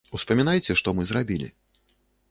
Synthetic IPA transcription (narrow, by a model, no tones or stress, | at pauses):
uspɐmʲinajt͡sʲɛʂt̪ɔmɨzrabʲilʲḭ